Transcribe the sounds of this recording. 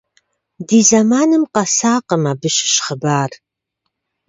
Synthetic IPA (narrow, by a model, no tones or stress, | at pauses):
diːzamaːnɨmqɐsaːqəmaːbɨʃɪ̥ʃχəbaːr